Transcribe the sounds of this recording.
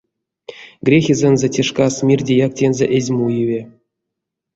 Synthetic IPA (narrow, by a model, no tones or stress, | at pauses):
ɡrʲexʲizʲĕnzʲetʲeʂkɑsmʲirʲdʲejɑk̚tʲenzʲeʔezʲmujivʲe